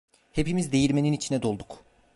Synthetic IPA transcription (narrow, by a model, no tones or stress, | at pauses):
he̞pimizd̪e̞jiɾʲme̞ninit͡ʃʰinɛd̪o̞lˠd̪uk